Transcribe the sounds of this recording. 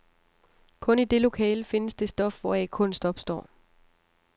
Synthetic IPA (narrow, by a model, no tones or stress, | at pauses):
kʰɔ̽nid̥e̝lo̝kʰɛ̰ːləfe̝nəsd̥e̝sd̥ɒ̽fʋɒækʰɔ̽n̰sd̥ɒ̽b̥sd̥ɒ̰ː